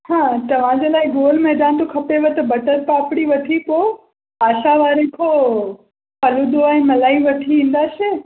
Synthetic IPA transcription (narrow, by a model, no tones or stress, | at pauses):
hãːt̪ɐʋ̤ãd͡ʑelaːɪɡoːlmẽd͡ʑãːñt̪okʰɐpeʋɐt̪bɐʈəɾ̚paːpɽiʋɐt̪ʰipo | aːʃaʋaːɾẽkʰo | pɐlud̪oɛ̃ːmɐlaːiʋɐʈʰiʋĩːn̆d̪aːse